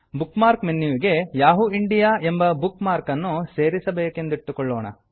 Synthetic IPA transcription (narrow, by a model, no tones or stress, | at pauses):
bukmaːɾkmenːuːʋiɡe̞jaːɦuiɳɖijaːʔe̞mbɐbukmaːɾkɐnːuse̞ːɾisɐbeːke̞nd̪uiʈ̪ːukoɭːoːɳɐ̰